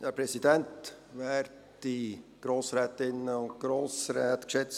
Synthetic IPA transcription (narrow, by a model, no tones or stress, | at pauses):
hɛpɾɛsidɛnt | vɛːrd | d̥iɡ̥ɾoːsɾɛːtɪnəʊnt̚ɡ̥ɾoːsɾɛːt̪kʃɛt͡s